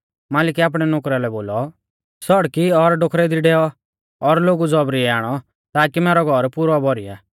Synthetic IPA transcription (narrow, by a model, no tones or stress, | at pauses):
maːlɪkɛaːp̬ɽ̃ɛnokɾalɛboːlɔ | sɔɽkiɔɾɖokʰɾɛd̪iɖɛɔ | ɔɾloːɡud͡zɔbɾiɛaːɽ̃ɔ | t̪aːkimɛːɾɔɡʱɔɾpʊɾɔbɔɾija̰ː